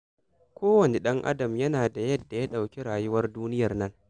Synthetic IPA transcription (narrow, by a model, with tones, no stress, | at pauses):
kʷoː˦wɐ˨ne˨ɗɐ˦ŋʔa̰˦dɐ˨mjɐ˦naː˨da˨jɐ˦dːa˨ja˦ɗa˨wkʲi˦ɽaː˨jʊ˦wɐ˦rduː˦nɪ˦jɐ˨rnɐ˦ŋ